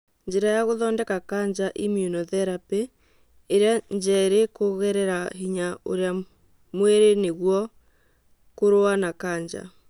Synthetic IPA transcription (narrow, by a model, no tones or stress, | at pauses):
ɲd͡ʒeɾajaɣoðɔːndɛkakaːɲd͡ʒaʔimiunɔðɛɾapeː | ɾeaɲd͡ʒaeɾekoɣɛɾɛɾaɦiɲaʔo̰ɾea | mweɾeneɣwɔ | koɾoanakaːɲd͡ʒa̰